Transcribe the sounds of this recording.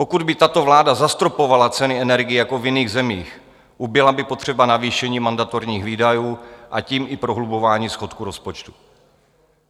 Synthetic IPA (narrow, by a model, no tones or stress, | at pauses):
po̞kud̪bɪt̪at̪o̞vlaːdazast̪ɾopo̞valat͡sɛnɪɛnɛɾɡɪjɪjakovjɪniːɣzɛmiːx | ʔubɪlabɪpo̞t̪r̝̥ɛbanaviːʃɛɲiːmandat̪oɾɲiːxviːdajuːʔaciːmʔɪpɾo̞ɦlubo̞vaːɲiːsxo̞t̪kuɾo̞spot͡ʃt̪u̥